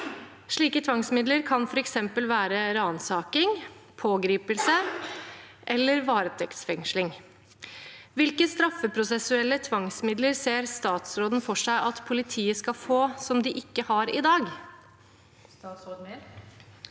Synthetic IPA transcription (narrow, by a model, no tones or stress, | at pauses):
ʂɭiːkət̪ʰʋɑŋsmɪd̪ləɾkʰɑnfɔɾɛksɛmpəlʋæːɾəɾɑːnsɑːkɪŋpʰoːɡɾiːpəlsə | ʔɛlːəɾʋɑːɾət̪ʰɛkt̪sfɛŋʂlɪŋ | ʋɪlkəst̪ɾɑfːəpʰɾʊsɛsʉɛlːət̪ʰʋɑŋsmɪd̪ləɾseːɾst̪ɑːt̪sɾoːd̪nfɔʂæɪʔɑt̪pʰʊlɪt̪ʰiːəskɑfoːsɔmd̪ɪʔɪkːəhɑɾɪd̪ɑːɡ